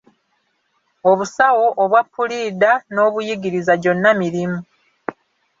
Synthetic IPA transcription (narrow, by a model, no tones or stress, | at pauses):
o̞βusawo̞ʔːβwapːuliːdano̞ːβujiɡiɾizaɟo̞nːamiɾimu